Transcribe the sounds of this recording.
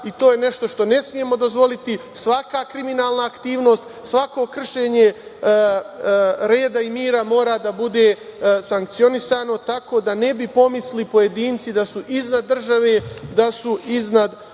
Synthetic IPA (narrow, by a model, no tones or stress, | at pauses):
it̪o̞ːje̞ne̞ʃt̪o̞ʃt̪o̞ne̞smije̞mo̞d̪o̞zʋo̞lit̪isʋakakɾiminaːlˠnaːkt̪iːʋno̞ːst̪sʋako̞kr̩ʃe̞ːɲe | ɾe̞ːd̪aimiːɾamo̞ːɾad̪abud̪e̞ːsaŋk̚t̪sio̞nisaːno̞t̪ako̞ːd̪ane̞bipo̞mislipo̞je̞d̪iːnt̪sid̪asuʔiznad̪ːr̩ʒaʋe̞ːd̪asuiznad̪